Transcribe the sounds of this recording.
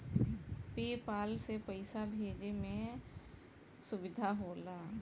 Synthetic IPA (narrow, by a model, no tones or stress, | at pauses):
peːpaːlsepəɪsabʱeːd͡ʒemẽ | sʊʋɪd̪ʱaɦoːlaː